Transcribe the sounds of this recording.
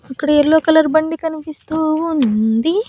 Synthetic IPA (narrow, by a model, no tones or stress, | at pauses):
ɐkːɐɽɐeɭːoːkɐlɐɾbɐɳɖikɐnipist̪uːunnd̪i